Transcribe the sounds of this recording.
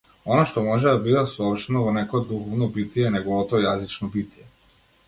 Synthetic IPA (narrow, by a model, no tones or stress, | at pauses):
ɔnaʃt̪ɔmɔʒɛd̪abid̪asɔɔpʃt̪ɛnɔvɔnɛkɔɔd̪uxɔvnɔbit̪ijɛnɛɡɔvɔt̪ɔjazit͡ʃnɔbit̪jɛ